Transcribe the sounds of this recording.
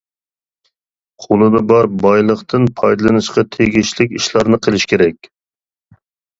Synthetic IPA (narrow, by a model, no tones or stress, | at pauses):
qʰolˠɨd̪ɑbɑɾbɑjlˠəχt̪ɨnpʰɑjd̪ɨlˠɨnɨʃqɑt̪ʰeɡʲiʃlɪkʲiʃlˠɑɾnɨqʰəlˠɪʃkʲeɾɛkʲ